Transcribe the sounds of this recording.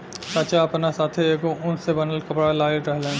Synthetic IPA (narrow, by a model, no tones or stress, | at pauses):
t͡ʃaːt͡ʃaɐpnasaːt̪ʰieːkoʔʊnsebɐnəlkɐpɽalaːiɾɾɛɦlẽː